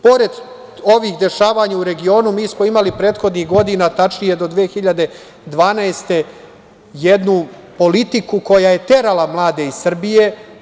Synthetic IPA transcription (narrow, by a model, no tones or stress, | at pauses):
po̞ɾe̞d̪ | o̞ʋiːxd̪e̞ʃaːʋaːɲauɾe̞ɡio̞ːnumiːsmo̞imalipɾe̞ːt̪xo̞d̪nixɡo̞d̪inat̪at͡ʃnije̞d̪o̞d̪ʋeːxiʎad̪e̞ | d̪ʋaːnaest̪e̞ | jed̪nupo̞lit̪ikuko̞jaje̞t̪e̞ɾalamlˠaːd̪e̞isr̩bije̞